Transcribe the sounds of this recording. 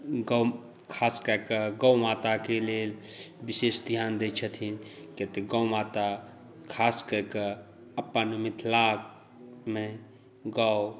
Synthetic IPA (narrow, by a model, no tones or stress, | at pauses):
ɡa | kʰaːskəɾkəɡawmat̪akelel | bisesd̪ʱijaːnd̪et͡ʃʰət̪ʰinket̪eɡawmaːt̪a | kʰaːskəkə | ɐpːənmit̪ʰlak̚ | me | ɡaw